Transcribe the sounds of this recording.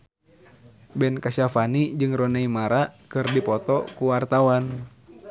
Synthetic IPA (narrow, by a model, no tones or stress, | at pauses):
bɛnkasafanid͡ʒɨŋrɔnɛimaɾakɨrdipɔt̪ɔkuwart̪awan